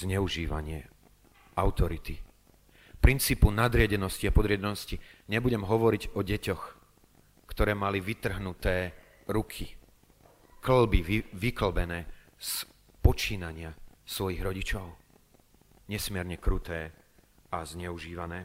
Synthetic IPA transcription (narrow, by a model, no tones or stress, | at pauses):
zɲɛuʒiːʋa̰ɲɪɛ | aʊt̪ɔɾit̪i | pɾint͡siːpunad̪ɾɪaɟɛnɔsciapɔd̪ɾɪaɟɛnɔsciɲɛbuɟɛmɦɔʋɔɾiɟɔɟɛcɔx | kt̪ɔɾɛːmaliʋit̪r̩ɦnut̪ɛː | ɾukʰi | kl̩biʋikl̩bɛnɛː | s | pɔt͡ʃiːnaɲɪasʋɔjiɣɾɔɟit͡ʃɔʊ | ɲɛsmɪɛɾɲɛkɾut̪ɛːazɲɛuʒiːʋanɛː